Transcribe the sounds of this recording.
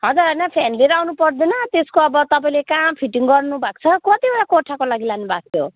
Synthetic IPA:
ɦʌd͡zuɾɦʌjnʌpʰenleɾawnupʌrd̪enʌt̪eskoʌbʌt̪ʌpaĩlekampʰiʈiŋɡʌrnubʱak̚t͡sʰʌkʌt̪ibʌɽakoʈʰakolaɡilanubʱak̚t̪ʰjo

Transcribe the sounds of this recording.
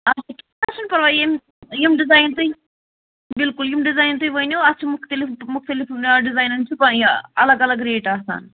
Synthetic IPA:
ɐsɐkʲiat͡ʃɐnpɐɾʋaːem | jimɖizaːjnt̪o | bilkuljimɖizaːjnt̪ojʋɐjnoɐt͡ʃʰːumukʰt̪elimukʰt̪elifonɖizaːjnɐnt͡ʃipɐɐlɐɡɐlɐɡɾeːʈaːsa̰ːn

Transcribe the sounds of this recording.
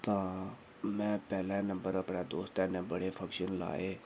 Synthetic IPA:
t̪ãː | mɛ̃ːpɛːlɛnə̃mbəɾəpnaːd̪oːst̪ɛ̃ːnɛ̃bəɽefʰəkʃənla̰ːeː

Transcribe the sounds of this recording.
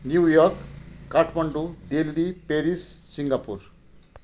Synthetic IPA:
njujɔrkːaʈʰmʌɳɖud̪elːipeɾisːiŋɡapuɾ

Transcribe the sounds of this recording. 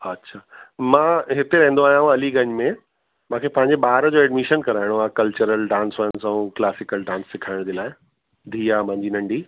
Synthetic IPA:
ɐtːɕʰaːmãːɦɪt̪eɾɐ̃ɦnd̪oaːɦjãːɦũɐliɡɐ̃ɲmẽ | mãːkʰepɐ̃ɦɪ̃ɲd͡ʑebaːɾəd͡ʑoːɛɖmiʃənkɐɾaːɪɽ̃oaːkɐlt͡ɕəɾəlɖãːnsaːɪ̃saũklaːsɪkəlɖãːnsːɪkʰaːɪɽ̃d͡ʑeːlaːɪ | d̪ʱiːaːmãɲd͡ʑinɐ̃ɳɖʱiː

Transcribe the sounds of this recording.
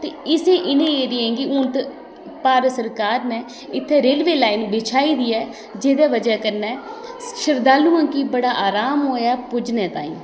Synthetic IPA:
t̪eːɪseːʔɪnẽːeːɾɪ̃ːɡiʊnt̪ | paːɾsəɾkaːɾnɛ̃ː | ɪt̪ʰːeːɾeːlʋeːlaːiːnbɪt͡ʃʰaːiːd̪iːɛː | d͡ʒeːd̪ɛːʋəd͡ʒɛːkəɾnɛːʃəɾd̪aːlũːãːkiːbəɽaːʔaːɾaːmɦoːjaːpʊd͡ʒnɛːt̪ã̰ːḭ̃ː

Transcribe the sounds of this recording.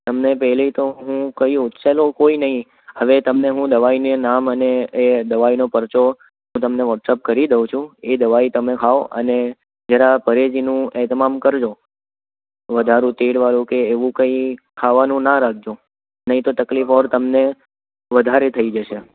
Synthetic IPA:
t̪əmnepɛɦlit̪oɦũkəiʊt̪ʃelokoinəɦĩ | əʋet̪əmneɦũd̪əʋainenaməneed̪əʋainopəɾt͡ʃo | ɦũt̪əmneʋɔʈsep̚kəɾid̪eʋ̃t͡ʃʰũed̪əʋait̪əmekʰaoʔə̰ne | d͡ʒəɾapəɾed͡ʒinũɛt̪əmamkəɾd͡ʒo | ʋəd̪ʱaɾũt̪eɽʋaɾũkeːʋũkə̃ikʰaʋanũnaɾaɡ̚d͡ʒo | nəɦĩt̪ot̪əklifɔɾt̪əmne | ʋəd̪ʱaɾet̪ʰəid͡ʒəʃe

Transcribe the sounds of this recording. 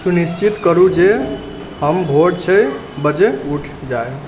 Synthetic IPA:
sunist͡ʃit̪kəɾud͡ʒe | ɦəmbʱoɖt͡ʃʰəj | bəd͡ʒeuʈʰd͡ʒaj

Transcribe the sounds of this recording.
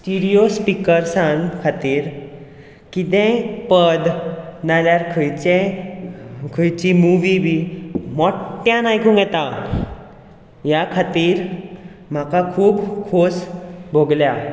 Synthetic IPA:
sʈiɾiospikəɾsãnkʰat̪iːɾ | kit̪ɛ̃pəd̪naljaɾkʰəjt͡ɕɛ̃ | kʰəjt͡ɕimuʋibʱiːmɔʈːjãnajkʰũːŋɡjɛt̪a | jakʰat̪iːɾ | m̤akakʰuːbkʰosbʱoɡlja

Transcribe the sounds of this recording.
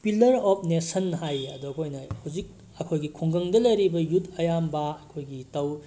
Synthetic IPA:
pilɐɾɔpʰnesɐnɦajɐdukʰojnɐhuzik̚ | ɐkʰojɡikʰuŋɡɐŋdɐlɐjɾibɐjutʰɐjambɐːkʰojɡitɐw

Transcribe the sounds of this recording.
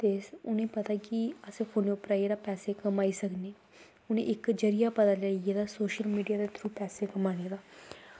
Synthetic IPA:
t̪eːsʊnẽːpət̪aːkɪəsefʰoːneʊpɾaːieːd̪aːpɛːseːkəmaːiːsəkneː | ʊnḛ̃ʔɪkd͡ʒəɾijaːpət̪aːlaːied̪aːsoːʃəlmiːɖijaːd̪et̪ʰɾuːpɛːseːkəmaːned̪aː

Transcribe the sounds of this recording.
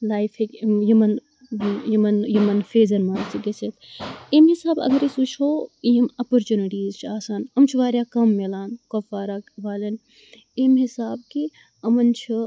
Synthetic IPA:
laːjfekjumɐn | jumɐnjumɐnfeːzɐnmaːnt͡sʰiɡeset̪ʰimɦisaːbɐ̰ɡɐɾisut͡ʃʰoːijɐmɐpoɾt͡ʃuniʈiːzt͡ʃʰaːsaːnɐmt͡ʃʰiʋaːɾjaːkɐmːelaːnkofaːɾaʋaːlɐn | imɦisaːbki | ɐmɐnt͡ʃʰi

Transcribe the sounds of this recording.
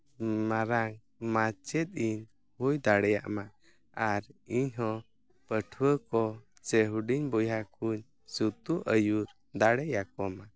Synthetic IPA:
maɾaŋ | mat͡ʃɛt̪̚ˀiɲ | hujd̪aɽɛja̰ʔma | aɾiɲɦɔ̃ | pəʈʰwəkɔ | t͡ʃəɦuɖiɲbɔjakuɲ | sut̪uʔəjuɾ | d̪aɽɛjakɔma

